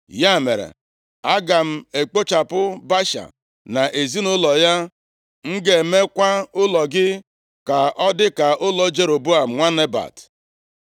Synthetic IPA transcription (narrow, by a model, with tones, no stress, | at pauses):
ja˦˨mḛ˨ɾḛ˨ | a˦ɡa˨m̩˦e˨k͡po˦t͡ʃa˨pʊ˦ba˦ʃa̰˨ | na˨ʔe˨zi˦nʊ˦lɔ˨ja˦ | ŋ̩˦ɡe˨me˦kʷa˦ʊ˦lɔ˨ɡɪ˦ | ka˨ʔɔ˦dɪ˦ka˨ʔʊ˦lɔ˨˦d͡ʒe˦ɾo˨bo˦a˨m̩˨ŋʷa˦ne˦ba̰˨t